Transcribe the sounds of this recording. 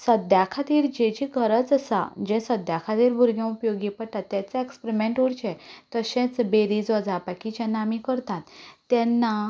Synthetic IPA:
səd̪jakʰat̪iːɾd͡ʑẽd͡ʑiɡʱəɾət͡səsa̰d͡ʑɛ̃səd̪jakʰat̪iːɾbʱuɾɡjãupjoɡipəɽʈ̪at̪ːjɛt͡saekspɾimẽɳʈuɽt͡ɕɛ̃t̪əɕɛ̃t͡sbeɾid͡zʋəd͡zapakit͡ɕãnamikəɾt̪at̪ːjɛ̃nːa

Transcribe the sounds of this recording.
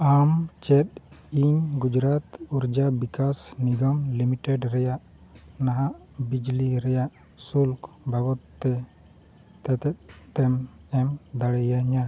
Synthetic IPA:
amt͡ʃɛt̪̚iɲɡud͡ʒɾat̪uɾd͡ʒabikasniɡɔmlimiʈɛɖɾɛjaʔ | naɦaʔ | bid͡ʒliɾɛjaʔ | sulk | bʱabɔt̪ːɛ | t̪ɛt̪ɛt̪̚t̪ːɛmɛmd̪aɽɛjaɲa

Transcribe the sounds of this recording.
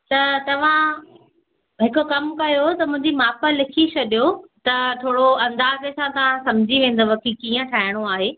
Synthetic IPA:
t̪ɐt̪ɐʋ̤ã | ɦɪkokɐmkɐjot̪ɐmʊ̃ɦɪ̃ɲd͡ʑimaːpə̆lɪkʰit͡ɕʰɐɗjot̪ɐʈ̪ʰoːɽoɐ̃nd̪aːzesãt̪ɐʋ̤ãsɐ̃md͡ʑʱiʋẽːn̆d̪oʋɐkʰikiːə̃ʈʰaːɦɪɽ̃oaːɦeː

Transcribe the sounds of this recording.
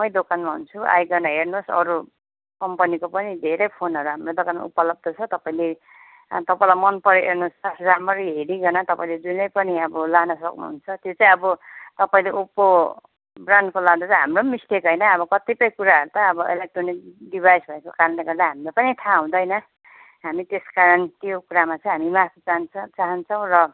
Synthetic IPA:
mʌjd̪okanmaɦṵnt͡sʰua̰jɡʌnaɦernosʌ̰ɾu | kʌmpʌnikopʌnid̪ʱeɾʌjpʰonɦʌɾuɦamrod̪okanmṵpʌlʌb̚d̪ʌt͡sʰʌt̪ʌpaĩle | t̪ʌpaĩlamʌnpʌɾoʔernosasd͡zamʌɾiɦeɾiɡʌnat̪ʌpaĩled͡zunʌjpʌniʌbʌlanʌsʌ̰knṵɦunt͡sʰʌt̪jot͡sãĩʌbʌt̪ʌpaĩleʔupːo | brankolad̪at͡sʌ̃ɦamromist̪ekɦʌjnʌːbʌkʌt̪ipʌjkuɾaɦʌɾut̪ʌːbʌḛlek̚ʈronik̚ɖibʱajsbʱʌekokaɾʌnleɡʌrd̪aɦamilapʌnit̪ʰaɦũd̪ʌjnʌ | ɦamit̪eskaɾʌnt̪jokuɾamat͡sʌ̃ɦamimatʰt͡sant͡saɦʌnt͡sʰʌw̃ɾʌ

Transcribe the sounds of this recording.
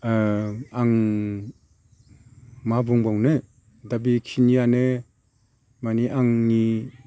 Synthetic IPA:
aŋ | mabuŋbawnɯ | dabikʰinianɯ | maniʔaŋni

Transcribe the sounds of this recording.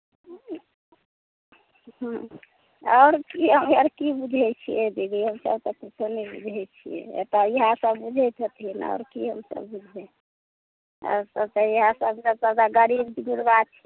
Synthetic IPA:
ɦ | ɔːɾkiɦəməɾkibud͡ʒʱɛt͡ʃʰijɛd̪ibiɦəmsə̰bt̪ɔkit͡ʃʰonɛbṵd͡ʒʱɛt͡ʃʰijɛ̰ḛt̪ɔjiɦasəbːud͡ʒʱɛt̪ʰət̪ʰinɔ̰ʊɾkiɦəmsə̰bːud͡ʒʱɦɛ | ɔ̰ɾsəb̚t̪ɔjiɦãsəbd͡ʒatad̪aɡəɾibd̪iɡuɾbat͡ʃʰi̥

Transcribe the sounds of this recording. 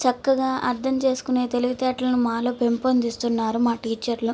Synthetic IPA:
t͡ʃɐkːɐɡaːʔɐɾd̪ʱɐmt͡ʃe̞ːsu̥kune̞ːt̪e̞luɡɐt̪ɛːʈlɐnumaːloːpe̞mpond̪ist̪unːaːɾumaːʈiːt͡ʃɐɾlu

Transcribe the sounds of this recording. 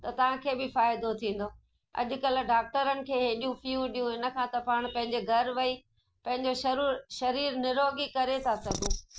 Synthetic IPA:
t̪ɐt̪ɐʋ̤ãkʰeːbɪfaːɪd̪ot̪ʰĩːn̆d̪oː | ɐ̰ʄʊkɐl̆ɖaːk̚ʈəɾənɪ̆kʰeːɦeːɗijũfijũɗijũɪnə̆kʰãt̪ɐpaːɽ̃pɐ̃ɦɪ̃ɲ̆d͡ʑeɡʱɐɾʋɐi | pɐ̃ɦɪ̃ɲd͡ʑoʃɐɾuːɾʃɐɾiːɾnɪɾoːɡikɐɾet̪ʰasɐɡʱũː

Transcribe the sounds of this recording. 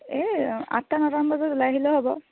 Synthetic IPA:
ɛa̰tːanɔtambazɔtʊlajɦilɛɦobɔ

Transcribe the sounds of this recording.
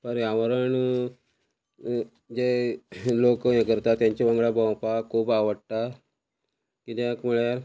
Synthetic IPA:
pəɾjaʋəɾəɳ | d͡ʑelokjekəɾt̪at̪jaɲt͡ɕiʋəŋɡɭabəwpakʰuːbaʋəɽt̪a | kit̪ekmuɭeɾ

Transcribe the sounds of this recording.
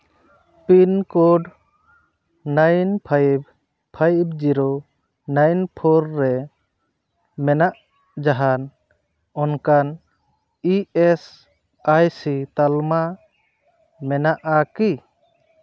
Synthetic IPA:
pinkoɖ | najnpʰajb | pʰajb̚d͡ʒiɾo | najnpʰɔɾːɛ | mɛnaʔ | d͡ʒaɦan | ɔnkan | iɛs | ajsit̪alma | mɛnaʔaki

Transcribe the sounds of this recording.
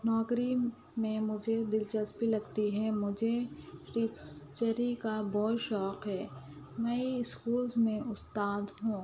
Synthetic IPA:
nɔːkɾi | mẽmʊd͡ʒʱed̪ɪlt͡ʃɐspilɐɡt̪iɦɛmʊd͡ʒʱeʈiːt͡ʃt͡ʃəɾikabɔːtʃɔːqɦɛː | mɛ̃ɪskuːlzmẽʔʊst̪aːd̪ɦũː

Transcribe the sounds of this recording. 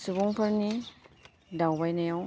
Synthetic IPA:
subuŋpʰɯɾni | dawbajnajaw

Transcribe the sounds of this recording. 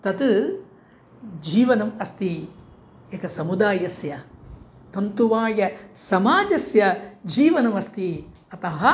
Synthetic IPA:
t̪ɐt̪ | d͡ʒiːʋɐnɐmɐst̪i | ekɐsɐmud̪aːjɐsjɐ | t̪ɐnt̪uʋaːjɐsɐmaːd͡ʒɐsjɐd͡ʒiːʋɐnɐmɐst̪i | ɐt̪ɐɦɐ

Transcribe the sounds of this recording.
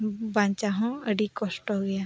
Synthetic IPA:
bãːɲt͡ʃaɦõəɽikosʈɦoɡɐjaː

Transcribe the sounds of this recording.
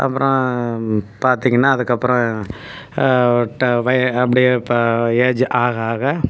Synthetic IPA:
ʔɐ̰pːɯɾɔ̃ | paːɾt̪ɪŋɡɐnːaːðɯkːɐpːɯɾɔ̃ | ʈːʋɐjɐpːɐɽɪjepeːd͡ʒʔaːɣɐaːɣɐ

